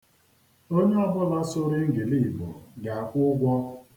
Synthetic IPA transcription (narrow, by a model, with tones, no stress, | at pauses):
o˦ɲe˦a˦bʊ˦la˦sʊ˦ɾɪ˦ŋ̩˦ɡɪ˨li˦˨mɔ̰˨ɡa˨a˨kʷʊ˦ɡʷɔ˦